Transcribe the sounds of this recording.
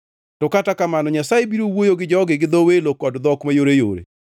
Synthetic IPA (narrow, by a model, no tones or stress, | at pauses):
tɔkatakamanɔɲasajebiɾowojoɡɪd͡ʒɔɡɪɡɪd̪ɔwelokɔdd̪ɔkmajoɾejo̰ɾḛ